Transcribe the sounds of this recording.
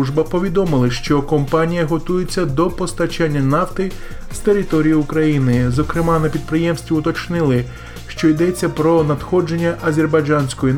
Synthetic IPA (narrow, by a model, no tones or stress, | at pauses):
uʒbɐpɔʋʲid̪ɔmɪlˠɪʃt͡ʃɔkɔmpɑnʲijɐɦɔt̪ujet͡sʲːɐd̪ɔpɔst̪ɐt͡ʃanʲːɐnɑft̪ɪst̪eɾɪt̪ɔɾʲijʊʊkɾɐjinɪzɔkɾɪmɑnɐpʲid̪̚pɾɪjɛmsʲt̪ʲʋʲiʊt̪ɔt͡ʃnɪlˠɪ | ʃt͡ʃɔjd̪ɛt͡sʲːɐpɾɔnɐd̪xɔd͡ʒe̞nʲːɐʔɐzʲerbɐjd͡ʒɑnʲsʲkɔji